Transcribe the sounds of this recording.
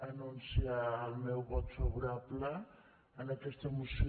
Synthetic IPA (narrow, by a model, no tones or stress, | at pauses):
anunsialmewβɔt̪foɣuɾapla | anekest̪emusi